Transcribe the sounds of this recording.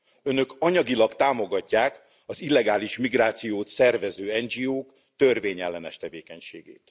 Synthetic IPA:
ø̞nø̞kɒɲɒɡilɒkt̪aːmo̞ɡɒcːaːk | ɒzilːɛɡaːliʃmiɡraːt̪sijoːt̪sɛrvɛzøːɛnd͡ʒioːk | t̪ørveːɲɛlːɛnɛ̰ʃt̪ɛveːkɛɲʃḛːɡḛːt̪

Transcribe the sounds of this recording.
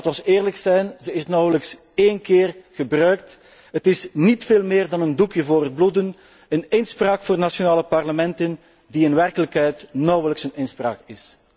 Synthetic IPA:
tɔsɪːrləksɛjnzəɪsnɔwələks | eːnkɪːrɣəbrœɥkt | ɦətɪsnitfeːlˠmɪːrdɑnəndukjəvoːrɦəd̚bludən | ənɪnspraːkfoːrdnasonaːləpɑrləmɛntən | diɪnʋɛrkələkɦɛjtnɔwələksənɪnspra̰ːkɪs

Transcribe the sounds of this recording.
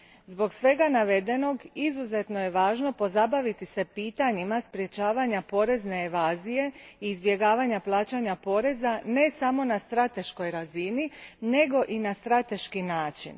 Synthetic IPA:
zbo̞ɡsʋe̞ɡanaʋe̞d̪e̞no̞ɡizuze̞t̪no̞je̞ʋaːʒno̞po̞zabaʋit̪isepiːt̪aɲimaspɾje̞t͡ɕaːʋaɲapo̞ɾe̞zne̞ːʋaːzije̞iːzbje̞ɡaːʋaɲaplˠaːt͡ɕaɲapo̞ɾe̞zane̞samo̞nast̪ɾat̪e̞ʃko̞jɾazinine̞ɡo̞ʔinast̪ɾat̪e̞ʃkinaːt͡ʃḭn

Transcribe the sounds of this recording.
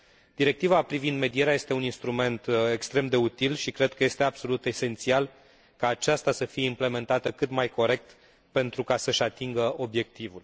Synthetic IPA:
d̪̥iɾe̞k̚t̪ivapɾivind̪me̞d̪ie̞ɾeaje̞st̪e̞uninst̪ɾume̞nt̪ekst̪ɾe̞md̪e̞ut̪ilʃikɾe̞d̪̚kəje̞st̪eabso̞lut̪e̞se̞nt̪sial | kaːt͡ʃast̪asəfije̞imple̞me̞nt̪at̪əkɨt̪majko̞ɾe̞k̚t̪ | pe̞nt̪ɾukasəʃat̪iŋɡəo̞bje̞k̚t̪ivul

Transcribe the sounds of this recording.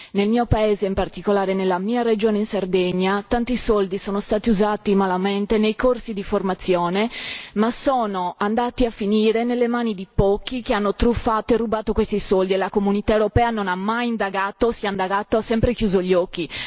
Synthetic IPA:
nelmiːopaeːzeimpart̪ikolaːɾenelːamiːared͡ʒoːneinsard̪ɛɲːat̪ant̪isold̪isoːnost̪aːt̪iuzaːt̪imalament̪enejkorsid̪iformat̪sːjoːnemasoːnoand̪aːt̪iafːiniːɾenelːemaːnid̪ipɔːk̟ːikeanːot̪ɾufːaːt̪oerːubaːt̪okwest̪isold̪ielakomunit̪aewɾopɛːanonamːajind̪aɡaːt̪osiaind̪aɡaːt̪oasːɛmpɾek̟juːzoʎːɔk̟ːi

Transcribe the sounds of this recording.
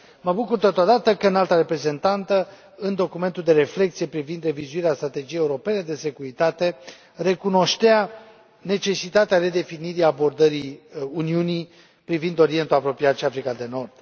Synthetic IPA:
məbukurt̪ot̪od̪at̪əkəɨnalt̪aɾe̞pɾe̞ze̞nt̪ant̪ə | ɨnd̪o̞kume̞nt̪uld̪e̞ɾe̞fle̞kt̪sije̞pɾivind̪re̞vizuiɾeast̪ɾat̪e̞d͡ʒijejeuɾo̞pe̞ne̞d̪e̞se̞kuɾit̪at̪e̞ | re̞kuno̞ʃt̪ea | ne̞t͡ʃe̞sit̪at̪eaɾe̞d̪e̞finiɾiabo̞rd̪əɾiuniuni | pɾivind̪o̞ɾie̞nt̪uapɾo̞piat̪ʃiafɾikad̪e̞no̞rd̪̥

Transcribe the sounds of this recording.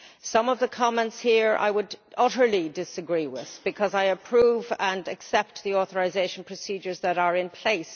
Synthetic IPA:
sʌ̃mʌvðəkʰɑmɛ̃ntshiɹʔa̰ɪwədʌɾə˞lidɪsəɡɹiwɪ̰ð̥b̥ɨkʰʌzaɪəpʰɹ̥uvə̃nɨksɛp̚t̪ðiɔθəɹazeɪʃə̃n̩pʰɹ̥əsid͡ʒə˞zðəɾə˞ɪ̃npʰl̥eɪs

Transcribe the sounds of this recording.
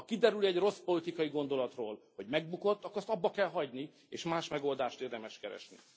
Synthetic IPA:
ɒkid̪ɛɾylɛɟro̞spo̞lit̪ikɒjiɡo̞nd̪o̞lɒt̪roːlho̞ɟmɛɡbuko̞t̪ːɒkːɾɛst̪ɒbːɒkɛlɦɒɟni | eːʃmaːʃmɛɡo̞ld̪aːʃt̪eːrd̪ɛmɛʃkɛɾɛ̰ʃnḭ

